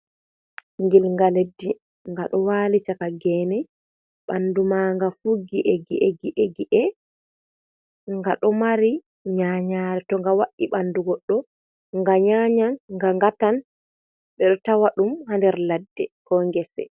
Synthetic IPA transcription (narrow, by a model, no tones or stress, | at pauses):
ŋɡilŋɡaledːi | ŋɡaɗɔwaːlit͡ʃakaɡɛːnɛ | ɓandumaŋɡafuɡiʔɛɡiʔɛɡiʔeɡiʔɛ | ŋɡaɗɔmaɾi | ɲaːɲaɾɛtɔŋɡawaʔːiɓanduɡɔɗːɔ | ŋɡaɲaɲanŋɡaŋɡatan | ɓɛɗɔtawaɗumhandɛɾladːɛ̰kɔŋɡɛsɛ̰